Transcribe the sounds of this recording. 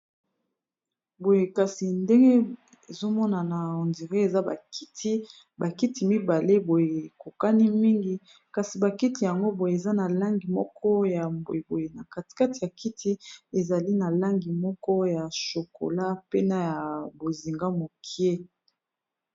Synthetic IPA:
bo˨je˨ka˨si˨nde˦ŋɡe˦ | e˨zo˦mɔ˦na˨na˨o˨ndi˨ʁe˦e˨za˦ba̰˨ki̥˦ti˦ | ba˨ki˦ti˨mi˦ba˨le˦bo˨je˨ko˨ka˦ni˦mi˦ŋɡi˨ | ka˨si˨ba˨ki˦ti˨ja˨ŋɡo˦bo˨je˨e˨za˦na˨la˦ŋɡi˨mɔ˦kʰɔ˦ja˨bo̰˨e˨bo˨je˨na˨ka˨tka˦ti˨ja˨ki˦tʰi˦e˨za˨li˦na˨la˦ŋɡi˨mɔ˦kɔ˦ja˨ʃo˨ko̰˨la˦pe˦na˦ja˨bo˨zi˨ŋɡa˦mo˨kʰi˦e˦

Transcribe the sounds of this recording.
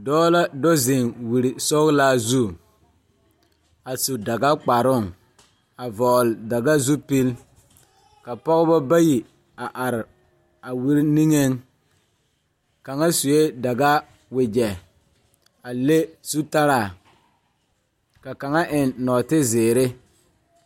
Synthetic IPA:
dɔː˦la˦dɔ˦zɪ˨ŋwi˨ɾi˨sɔ˦ɣla˦zu˦˨ | a˨su˨da˨ɡa˦k͡pa˨ɾʊ˦˨ŋ | a˨vɔː˨lɪ˨da˨ɡa˦zu˦pi˦l | ka˨pɔ˦ɣɪ˦bɔ˦ba˦ji˨ | a˨ʔa˨ɾɪ˨ | a˨wi˦ɾni˦ŋe˦ŋ | ka˨ŋa˦su˨je˦da˨ɡa˦ | wɪ˨d͡ʒɛ˨ | a˨le˦su˦ta˦ɾa˨ | ka˨ka˨ŋa˦ʔɪ˨nːɔː˨tɪ˦zɪː˨ɾɪ˦

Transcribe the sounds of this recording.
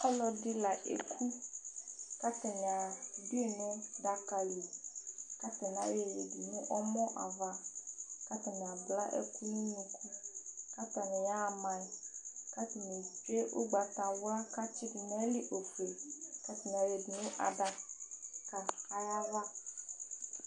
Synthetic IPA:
ɔ˦lɔ˨di˦la˨ʔḛ˨kʰu˦ | ka˦t̪ɛ˨nɛ˨a˨bi˦e˨nɛ̃˦da˦ka˨lu˨ka˦t̪ɛ˨n˨a˨˦je˨je˨di˨nũ˦ʔɔ˦mɔ̃˦ʔa̰˨va˦ka˦t̪ɛ˨nɛ̃˨a˨bla˦ʔḛ˦ku˦nũ˦ɲĩ˦ku˦ka˦t̪a˨nɛ̃˨ja˦˨mã˨i˨ka˦t̪ɛ˨ne˨d͡ʒe˦ʔo˦ɡ͡ba˨t̪a˨wʊ˦a˦ka˦t͡ʃi˦di˨nɛ˦li˦ʔo˨ku˨e˨ka˦t̪ɛ˨ñ˨a˨we˨di˨nũ˦ʔa̰˨da˨ka˨a˨ja˦va˦

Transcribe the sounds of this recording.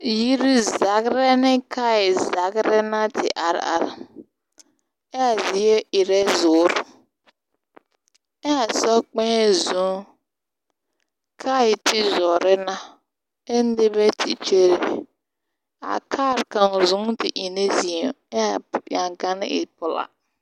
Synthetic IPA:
ji˦ɾi˦za˨ɡɾɛ˦nɪ˦kʰa˦i˨za˨ɡɾɛ˦na˦tʰɪ̰˨ʔa˨ɾ̰a̰˨ɾ | ɛ˦a˨zi˨˦e˦ɪ˨ɾɛ˦zʊː˨˦ɾ | ɛ˦a˨sɔ˦k͡pɛ̃˦zũ˨˦ŋ | kʰa˦ɪ˨tʰɪ˦zɔ˨ɾɛ˦na˦ | e˦n˦dɪ˦bɛ˦tʰi˨t͡ʃe˦ɾe˨ | a̰˨kʰaː˦˨ɾka˨ŋ˨zũ˦ŋ˦tɪ˨ʔi˨ne˦zi˨ɛ˦a˨ja˨ŋka˦nɪ˦ɪ̰˨pʊ˨la̰˨

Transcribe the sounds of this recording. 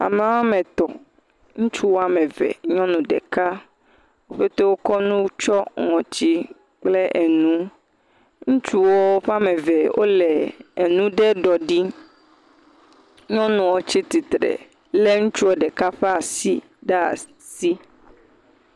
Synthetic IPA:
a̰˨me˨wa˦mẽ˨t̪ɔ˨ | ŋũ˦t͡ʃu˦wo˦a˨mẽ˨vḛ˨ɲɔ̃˦nũ˨ɖɛ̰˨ka˦ | wo˦ɸe˦t̪o˦wo˦kɔ˦nũ˦t͡ʃɔ˦ŋɔ̃˨t͡ɕi˦ | k͡ple˦ʔe˨nũ˦ | ŋũ˦t͡ʃu˦wɔ˦ɸa˦me˨ve˨wʔo̰˦lɛ˨nũ˦ɖe˦ɖɔ˨ɖi˦ | ɲɔ̃˦nũ˨wo˨t͡ɕi˦t̪i˨t̪ɾḛ˨ | le˦ŋũ˦t͡ʃu˦wo˦ɖɛ˨ka˦ɸe˦a˨si˦ | ɖe˦a̰˨ | si˦

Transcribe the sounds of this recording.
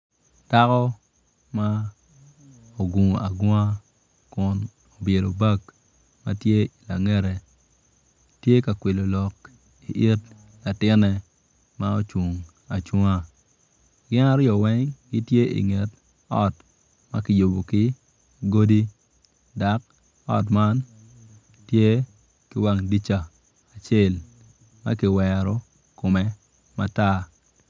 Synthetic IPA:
ta˦kɔ˦ | ma˦ | o˨ɡu˨ŋ˨a̰˨ɡɔ˦ŋa˦ | kʊ˨n | o˨bje˨ɾo˨ba˦˨k | ma˦tje˦la˨ŋɛ˦ɾɛ˨ | tje˦ka˨kwi˨lo˨lɔ˨k | i˨ʔi˦t | la˨tɪ˦nɛ˨ | ma˦o˦t͡ʃu˨ŋ | a˨t͡ʃwu˦ŋa˦ | ɡɪ˦na˦ɾjɔ˨wɛ˦ŋɡɪ˦tje˦ḭ˨ŋe˨t | ɔ̰˦t | ma˦kɪ˨jo˨bo˨kɪ˦ | ɡo˦di˦ | da˨˦k̚ | ɔ̰˦t̬ma˦n | tje˦ | kɪ˦wa˨ŋdi˦t͡ʃaː˨ | t͡ʃe˦˨l | ma̰˦kɪ˨wɛ˨ɾɔ˨ | ko˨mɛ˦ | ma˦ta˦

